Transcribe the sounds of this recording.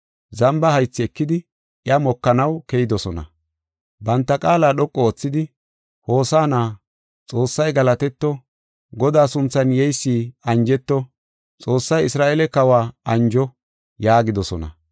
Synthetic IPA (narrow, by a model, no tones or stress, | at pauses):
zɐmbɐhɐjt͡sːɪɛkːɪd̪ɪ | ɪɐmɔkːɐnɐwkɛjɪd̪ɔsɔnɐ̰ | bɐnt̪ːɐkʼaːlaːɗɔkʼːɔot͡sːɪd̪ɪ | ho̞ːsaːnaː | t͡sʼo̞ːsːɐjɡɐlɐt̪ɛt̪ːɔ | ɡɔd̪aːsʊnt͡sːɐnjɛjsːiːɐnd͡ʒɛt̪ːɔ | t͡sʼo̞ːsːɐjɪsɾaːʔeːlɛkɐwaːɐnd͡ʒɔ | jaːɡɪd̪ɔsɔnɐ̰